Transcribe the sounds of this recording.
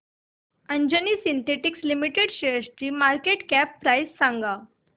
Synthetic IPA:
əɲd͡ʑəniːsint̪eʈikslimiʈeɽɕeəst͡ɕiːmaɾkeʈkæpːɾajsːãŋɡa

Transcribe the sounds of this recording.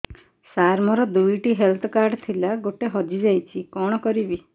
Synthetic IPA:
saɾmɔɾɔd̪ujʈiɦelt̪ʰɔkaɾɖt̪ʰilaɡoʈeɦɔd͡ʒid͡ʒajt͡ʃʰikɔɽ̃ɔkɔɾibi

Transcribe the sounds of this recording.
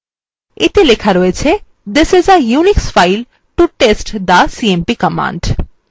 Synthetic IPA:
et̪elekʰaɾɔet͡ɕʰe | d̪ɪsɪzəjuniksfajl | ʈuʈesʈd̪əsiempikəmã̰ɳɖ

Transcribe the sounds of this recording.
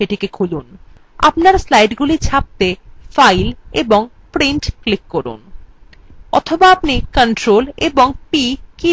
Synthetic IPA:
eʈʰikekʰulun | a̰pnaɾslajɖɡulit͡ɕʰap̚t̪efajleboŋ | pɾiɳʈklikːɔɾṵn | ɔ̰t̪ʰobaapnikənʈɾoleboŋpiki

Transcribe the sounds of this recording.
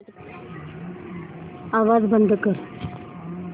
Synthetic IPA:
aʋad͡zbənd̪ʱkəɾ

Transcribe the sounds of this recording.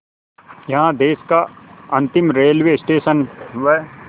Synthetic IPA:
jɐɦãd̪eːskaɐ̃nt̪ɪmɾeːlʋesʈeːʃənʋɛ

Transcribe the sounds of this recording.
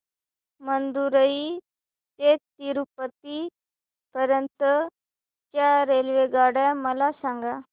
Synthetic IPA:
mənd̪uɾəi | t̪et̪iɾupət̪i | pəɾənt̪ | t͡ʃaːɾeːlʋeɡaːɽɛməlaːsãːŋɡaː

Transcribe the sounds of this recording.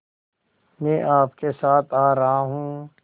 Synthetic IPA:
mɛ̃ːʔaːpkesaːt̪ʰaːɾɐɦaɦũː

